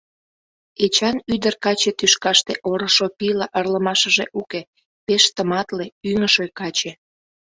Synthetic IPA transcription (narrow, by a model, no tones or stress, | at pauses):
et͡ɕɑnyd̪ərkɑt͡ɕet̪yʃkɑʃt̪eʔoɾəʃopilɑʔərləmɑʃəʒeʔuke | peʃt̪əmɑt̪leyŋəʃojkɑt͡ɕe